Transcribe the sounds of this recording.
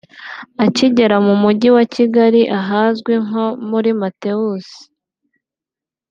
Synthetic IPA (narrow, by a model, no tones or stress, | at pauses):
aciɟe̞ɾamumuɟiwaciɡaɾiʔaɦaːzɡweŋɦo̞muɾimate̞usi̥